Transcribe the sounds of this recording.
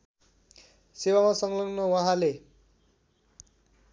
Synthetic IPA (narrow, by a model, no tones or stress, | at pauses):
sewamasʌŋlʌŋnʌwʌɦãle